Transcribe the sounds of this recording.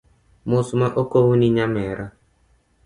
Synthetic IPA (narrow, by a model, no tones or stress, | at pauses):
mʊsmaʔokowuniɲamɛɾa